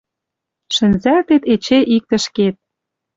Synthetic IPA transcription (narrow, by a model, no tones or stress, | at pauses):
ʃə̆nzælt̪et̪et͡ɕeʔik̚t̪ə̆ʃket̪̚